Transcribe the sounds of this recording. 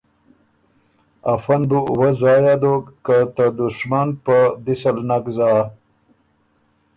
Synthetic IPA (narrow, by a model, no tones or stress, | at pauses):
ɐfɐnbuwɐzaːjad̪okːat̪ad̪uʂmanpab̪isɐlnakzaː